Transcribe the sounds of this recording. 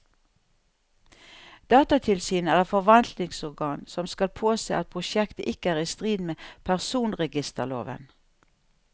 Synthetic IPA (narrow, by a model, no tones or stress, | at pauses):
d̪̥ɑːt̪ɑt̪ʰɪlsyːnæːʁɛfɔʋɑnt̪nɪŋsɔʁɡɑːnsɔmskɑlpʰoːsḛːɑt̪̚pʰʁʊʃjɛkt̪əʔɪkəæːʁiːst̪ʁiːd̪meːpʰæʁsuːnʁɛɡɪst̪əlo̰ːʋə̰n